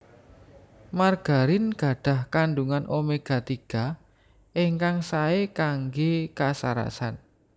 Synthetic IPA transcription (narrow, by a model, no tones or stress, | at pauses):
marɡ̥a̤ɾɪnɡ̥ä̤ɖ̥ä̤hkanɖuŋanʔomeɡ̥a̤t̪iɡ̥a | eŋkaŋsaekaŋɡekasa̰ɾa̰sa̰n